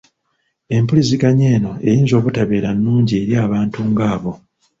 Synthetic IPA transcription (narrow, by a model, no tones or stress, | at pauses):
e̞mpuliziɡaɲe̞ːno̞e̞jiːnzo̞ːβutaβe̞ːɾanːuːɲɟie̞ɾjaːβaːntuŋɡaːβo̞